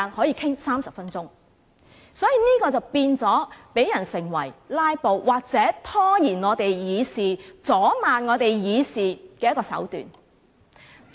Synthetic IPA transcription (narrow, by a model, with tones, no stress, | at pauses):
nhɔː˨˥jiː˨˧kʰɪ˥ŋsaː˥msɐ˨p̚fɐ˥nt͡sʊ˥ŋ | sɔː˨˥jiː˨niː˥kɔː˧t͡sɐ˨wpiː˧nt͡sɔː˨˥pe˨˥jːɐ˨˩nsɪ˨˩ŋwɐ˨˩jlaː˧˥jpo˨wwʔaː˨˩k̚t͡sɛː˨˥t̪ʰɔː˥jiː˨˩nŋɔː˨˧t̪e˨jjiː˨˧siː˨t͡sɔː˨˥maː˨nŋɔː˨˧t̪e˨jjiː˨˧siː˨kɛː˧jɐ˥kɔː˧sɐ̰˨˥wt̪y̰ː˨n